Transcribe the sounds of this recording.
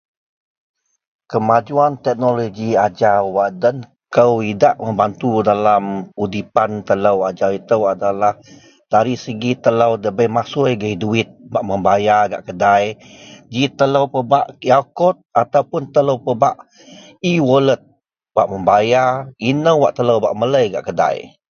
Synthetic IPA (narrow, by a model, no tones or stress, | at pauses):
kəmad͡ʒuant̪ɛk̚noloɡiad͡ʒawaʔdən | kəwidaʔməmbant̪udalamudipant̪ələwad͡ʒawit̪əwadalah | d̥aɾisəɡit̪ələwdəbəjmasujɡəiduɪt̪̚baʔməmbajaɡa̰ʔkədajd͡ʒit̪ələwpəbaʔjakɔt̪̚at̪awpʊnt̪ələwpəbaʔ | iwolət̪̚ | baʔməmbajainəwwaʔt̪ələwba̰ʔmələjɡa̰ʔkəda̰j